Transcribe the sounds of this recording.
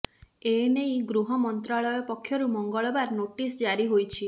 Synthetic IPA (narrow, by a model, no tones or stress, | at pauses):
enejɡɾuɦɔmɔnt̪ɾaɭɔjɔpɔkʰːjɔɾumɔŋɡɔɭɔbaɾnoʈisd͡ʒaɾiɦojt͡ʃʰi